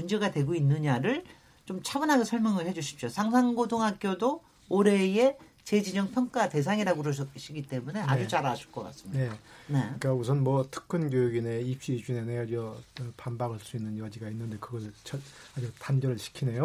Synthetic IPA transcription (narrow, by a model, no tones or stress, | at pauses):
mund͡ʑe̞ɡadwe̞ɡoinːɯɲaɾɯɭ | t͡ɕomt͡ɕʰabɯnɦaɡesʰʌɭmjʌŋɯɭhe̞d͡ʑuɕʰi̥p̚ɕ͈osʰaŋsʰaŋɡodoŋɦak͈jodoː | oɾe̞je̞ | t͡ɕe̞d͡ʑid͡ʑʌŋpʰjʌŋk͈ate̞sʰaŋiɾaɡoɾoɕʰiɡit͈emune̞ʔa̰d͡ʑut͡ɕaɾaɕʰu̥ɭk͈ʌk͈a̰ts͈ɯminane̞k͈ausʰʌnmwʌtʰɯ̥k̚k͈ʰɯnɡjojuɡine̞ip̚ɕ͈id͡ʑuneneʌɾiʌpambaɡʰaɭs͈uinːɯnjʌd͡ʑiɡainːɯnde̞kɯɡʌɭt͡ɕʰʌad͡ʑutanbjʌɾɯɭɕʰi̥kʰine̞jo